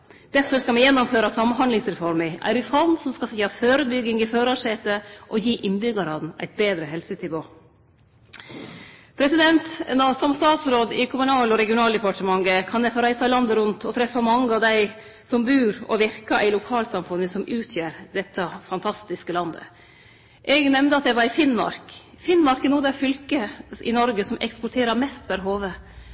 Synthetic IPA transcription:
d̪̥æɾfɔʂkɑmɛɪjɛnːɔmføːɾɑsɑmnɦɑnlɪŋsɾɛfɔɾmɪʔæ̰ɾɪfɔɾmsɔmskɑsɪːɑføːɾəbʏɡːɪŋɪføːɾɑʂeːt̪əʔɔjiːʔɪnbʏɡɑɾɑːd̪næ̰ɪt̪̚beːd̪ɾəɦɛlsənɪʋoː | pʰɾɛsɪd̪ɛnt̪nɔsɔmst̪ɑːt̪sɾoːd̪ɪkʰʊmʉnɑːlɔɾɛɡɪʊnɑːld̪ɛpɑʈəmɑŋɡəkʰɑnɛfɔɾæɪsɑlɑnd̪əɾʉnt̪ʰɔt̪ʰɾɛfːɑmɑŋːəɑʋd̪æɪ | sɔmbʉːɾɔ̰ʋɪɾkɑʔæɪlʊkʰɑːlsɑmfʉnːəsɔmʔʉːt̪ʰjæːɾd̪ɛt̪ʰːəfɑnt̪ʰɑst̪ɪskəlɑnd̪ə̰ | ʔɛɡnɛmnd̪əɑt̪̚d̪ɛʋɑɾɪfɪnmɑ̰ɾk | fɪnːmɑɾkənuːd̪æfʏlkəɪ̰nɔɾɡəsɔmʔɛ̰kspɔʈʰeːɾəɾmɛst̪̚bæɾɦoːʋə

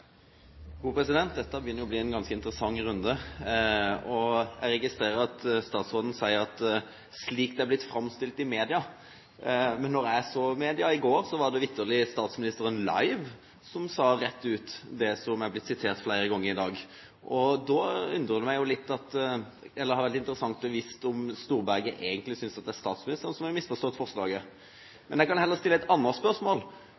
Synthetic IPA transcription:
ɡuːpɾɛsɪd̪ɛnt̪̚d̪ɛt̪ːəbəjʏnːəjʊbliːɛnɡɑnskəɪnt̪əɾəsɑŋːɾʉnd̪ə | ɔjæɪɾɛɡɪst̪ɾeːʁəɾɑt̪st̪ɑːt̪sʁoːd̪ən̩sæɪəʁɑt̪ | sliːk̚d̪ɛæɾblɪt̪fɾɑmst̪ɪlt̪ɪmeːd̪ɪɑ | mɛnːɔɾæɪæsɔmeːd̪ɪɑɪɡoːɾsɔʋɑd̪ɛʋɪt̪ʰːəlɪst̪ɑːt̪smɪnɪst̪əɾənlɑ̰ɪʋ | sɔmsɑːɾɛt̪ːʉːt̪d̪ɛsɔmjæɪhɑblɪt̪sɪt̪ʰeːɾt̪flæɪɾəɡɔŋːəɾɪd̪ɑːɡ | ʔɔd̪ɔʉnd̪ɾəd̪əmæɪjʊlɪt̪ːɑt̪ | ɛlːəʁhɑɾʋæʁt̪ɪnt̪ɾəsɑŋt̪bəʋiːst̪ɔmst̪uːɾbæʁɡəʔeːɡənt̪lɪsʏnsɑt̪̚d̪ɛæɾst̪ɑːt̪smɪnɪst̪əɾənsɔmɪmɪsːfɔʁʂt̪oːɛt̪fɔʁʂlɑːɡə | mɛnjækɑhɛlːəɾst̪ɪlːɛt̪ɑnːəspœʁʂmoːl

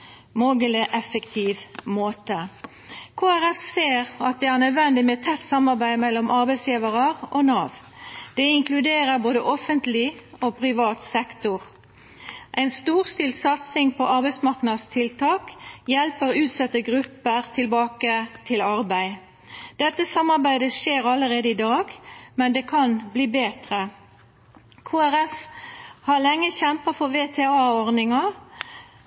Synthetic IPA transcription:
moːɡələʔɛfəkt̪ʰiːʋmoːt̪ə | kʰoːæʁɛfseːʁɑt̪̚d̪ɛːæʁnœd̪ʋɛnd̪ɪmɛt̪ʰɛt̪ːsɑmɑʁbæɪmɛlːɔmʔɑʁbæɪsjiːʋəʁəʁʔonɑːʋ | d̪̥ɛɪŋklʉd̪eːʁəʁboːd̪əʔɔfənt̪lɪoːpʰʁɪʋɑːt̪sɛkt̪ʊʁ | ʔæɪnst̪uːʁst̪iːlsɑt̪sɪŋpʰɔʔɑɾbæɪsmɑʁknɑd̪st̪ʰɪlt̪ʰɑːkjɛlpəʁʉːt̪sɛt̪ːəɡʁʉpːəʁt̪ʰɪlbɑːkət̪ʰɪlɑʁbæɪ | d̪ɛt̪ːəsɑmːɑʁbæɪd̪əʃeːʁɑlːəʁeːd̪əɪd̪ɑːɡmɛnd̪ɛkʰɑnbliːbeːt̪ʁə | kʰoːæɾɛfhɑʁlɛŋːəçɛmpɑfɔʁʋeːt̪ʰeɑːɔʁd̪nɪŋɑ

